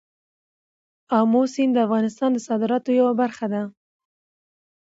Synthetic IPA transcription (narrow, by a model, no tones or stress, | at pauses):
ɑmosind̪əafɣɑnɪst̪ɑnd̪əsɑd̪ɪɾɑt̪ojawabaɾxad̪a